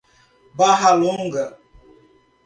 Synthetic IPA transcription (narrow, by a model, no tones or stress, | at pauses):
baɦaluŋ̩ɡə